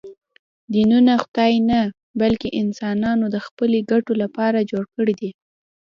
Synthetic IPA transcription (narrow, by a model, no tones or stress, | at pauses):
d̪inunaxwd̪ɑjna | balkeʔɪnsɑnɑnod̪əxpəleɡaʈolapɑɾad͡ʒoɽkəɽid̪i